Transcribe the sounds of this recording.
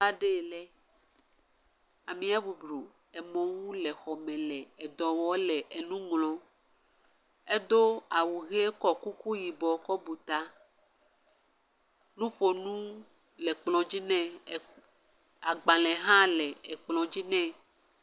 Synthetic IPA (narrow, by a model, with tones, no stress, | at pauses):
a˦ɖe˦˨lɛ˦ | a˨mĩ˨a˦bu˨bɾo˨ | ɛ˨mɔ̃˨wu˦lɛ˨xɔ˨mɛ̃˨lɛ˨ɛ˨d̪ɔ˨wɔ˦lɛ˨ʔe˨nũ˦ŋlɔ̃˦ | e˦d̪o˦a˨wu˨ɣɛ˦kɔ˦ku˦ku˦ji˨bɔ˨˦kɔ˦bu˨t̪a˦ | nũ˦ɸo˨nũ˦ | lɛ˨k͡plɔ̃˨d͡ʑi˦nɛ̃˦˨ | a˨ɡ͡bã˨lɛ̃˨ɦã˦lɛ˨ɛ˨k͡plɔ̃˨d͡ʑi˦nɛ̃˦